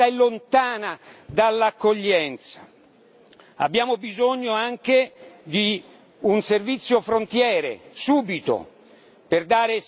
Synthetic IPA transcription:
aɛlːont̪aːnad̪alːakːoʎːɛnt̪sḁ | a̰bːjaːmobizoɲːoaŋk̟ed̪i | unservit̪sːjofɾont̪jɛːɾḛsuːbit̪o̰ | perd̪aːɾe

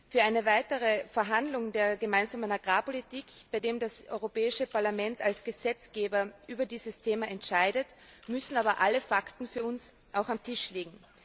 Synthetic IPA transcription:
fyːɐʔaɪnəvaɪtəʁəfɛɐɦandlʊŋdeːɐɡəmaɪnzaːmənaɡʁaːpolitiːkb̥aɪdeːmdasʔɔʏʁopɛːɪʃəpaɐlamɛntalsɡ̥əzɛt͡sɡ̥eːbɐʔyːbɐdiːzəstʰeːmaɛntʃaɪdətmʏsn̩aːbɐʔaləfaktn̩fyːɐʊns | ʔaʊxamtʰɪʃliːɡŋ̩

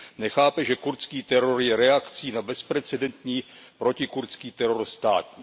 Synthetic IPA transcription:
nɛxaːpɛʒɛkuɾt͡skiːt̪ɛɾo̞ɾjɛɾɛakt͡siːnabɛspɾɛt͡sɛdɛnt̪ɲiːpɾo̞cɪkuɾt͡skiːt̪ɛɾo̞ɾst̪aːt̪ɲiː

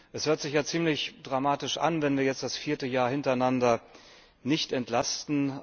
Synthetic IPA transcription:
ʔɛshøːɐtz̥ɪçjaːt͡siːmlɪçd̥ʁamaːtɪʃʔa̰nvɛnviːɐjɛt͡std̥asfiːɐtəjaːɐhɪntɐaɪnandɐ | nɪçtɛntlastn̩

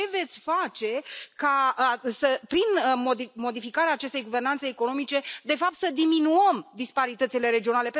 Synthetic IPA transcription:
e̞ve̞t̪sʲfat͡ʃe̞kasəpɾinmod̪imo̞d̪ifikaɾeaːt͡ʃe̞st̪e̞jɡuvernant̪seːko̞no̞mit͡ʃe̞d̪e̞fap̚t̪səd̪iminuəmd̪ispaɾit̪ət̪sile̞ɾe̞d͡ʒio̞nale̞p

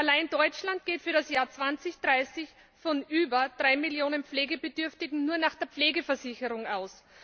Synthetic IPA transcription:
ʔalaɪndɔʏt͡ʃlant̚ɡ̥eːtfyːɐɾasjaːɐt͡sv̥ant͡sɪçd̥ʁaɪsɪç | fɔnʔyːbɐd̥ʁaɪmiljoːnənp͡fleːɡəbədʏɐftɪɡŋ̩nuːɐnaːχd̥eːɐpp͡fleːɡəfɛɐsɪçəʁʊŋaʊs

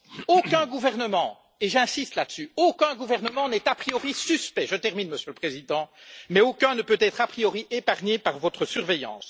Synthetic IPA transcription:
okʲɛ̃ɡuvɛʁnəmɑ̃ | eʒɛ̃sist̪lad̪əsyokʲɛ̃ɡuvɛʁnəmɑ̃nɛt̪apχijɔʁisyspɛʒət̪ɛʁminməsjøləpχezid̪ɑ̃mɛokʲɛ̃nəpøt̪ɛt̪χapχijɔʁiʔepaʁɲepaʁvɔt̪χəsyʁvejɑ̰̃ːs

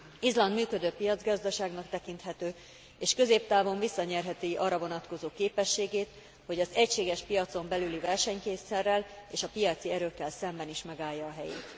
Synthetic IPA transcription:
izlɒnd̪myːkø̞d̪øːpijɒd̪zɡɒzd̪ɒʃaːɡnɒkt̪ɛkint̪ɦɛt̪øː | eːʃkø̞zeːp̚t̪aːvo̞ɱvisːɒɲɛrɦɛt̪iʔɒrɒvo̞nɒt̪ko̞zoːkeːpɛʃːeːɡeːt̪ | ho̞ɟɒzɛcʃeːɡɛʃpijɒt̪so̞mbɛlylivɛrʃɛɲkeːsɛrːɛleːʃɒpijɒt̪siɛɾøːkːɛlsɛmbɛniʃmɛɡaːjːɒːɦɛjḛːt̪

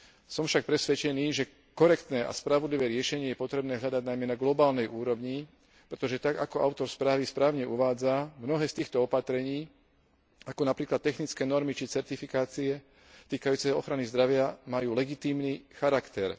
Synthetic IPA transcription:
sɔmfʃak̚pɾɛsʋɛt͡ʃɛniːʒɛ | kɔɾɛkt̪nɛːʔa̰spɾaʋɔd̪liʋɛːɾɪɛʃɛɲɪɛjɛpɔt̪ɾɛbnɛːɦʎad̪aɟ̚najmɛnaɡlɔbaːlnɛjʔuːɾɔʋɲi | pɾɛt̪ɔʒɛt̪aɡa̰kɔʔaʊt̪ɔɾspɾaːʋispɾaːʊɲɛʔuʋaːd͡zamnɔɦɛːst̪iːxt̪ɔɔpat̪ɾɛɲiː | akɔnapɾiːklat̪̚ːɛxnit͡skɛːnɔɾmit͡ʃit͡sɛɾt̪ifikaːt͡siɛ | t̪iːkajuːt͡sɛɔɔxɾanizd̪ɾaʋɪamajuːlɛɡit̪iːmnixaɾakt̪ɛɾ

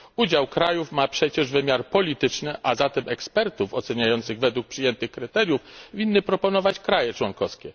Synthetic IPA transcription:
ud͡ʑawkɾajufmapʂɛt͡ɕɛʐvɘmʲjaɾpɔlʲit̪ɘt͡ʂnɘʔazat̪ɛmʔɛkspɛɾt̪ufɔt̪sɛɲajɔnt̪sɘɣvɛd̪wuk̚pʂɘjɛnt̪ɘxkɾɘt̪ɛɾʲjufvʲinːɘpɾɔpɔnɔvat͡ɕkɾajɛt͡ʂwɔŋkɔskʲɛ

